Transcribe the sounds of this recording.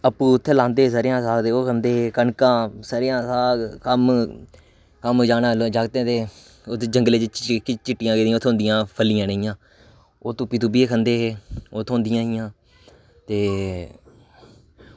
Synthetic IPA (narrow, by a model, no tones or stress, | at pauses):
əpːũːʊt̪ʰːeːlãːnd̪eːs̬əɾjãːsaːɡt̪eːkʰənd̪eːeːkəɳkãːsəɾɪjãːsaːkəm | kəmd͡ʒaːnaːlod͡ʒaːɡt̪ẽːt̪eː | t̪ːd͡ʒəŋɡleːt͡ʃɪt͡ʃkɪt͡ʃɪʈːɪjãːɡeːd̪ĩj̃aːʊt̪ʰːõnd̪ɪjãːpʰəlɪjãːnəjãː | oːt̪õːpiːt̪ubieːkʰənd̪eːɦeːoːt̪ʰõːnd̪ɪjãːɦɪjãː | t̪eː